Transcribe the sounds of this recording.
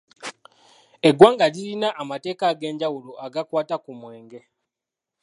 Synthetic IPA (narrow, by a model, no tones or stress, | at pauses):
e̞ɡwaːŋɡalilinaʔːmate̞ːkaɡe̞ːɲɟawuloʔaɡakwaːtakumwe̞ːŋɡe̞